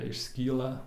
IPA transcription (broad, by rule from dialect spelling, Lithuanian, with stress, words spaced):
ɪʃʲˈsʲkʲiːlˠɐ